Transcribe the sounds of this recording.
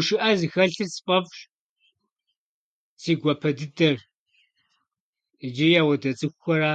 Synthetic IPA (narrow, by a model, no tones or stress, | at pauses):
ʊʃɪʔɐzɨxɐɬɨsɨ̥pʼɐpʼʃ | siːɡʷɔpʰɐdɨdɐr | d͡ʒɪjaːwɐdɐt͡sʼɨxʷxʷɔɾaː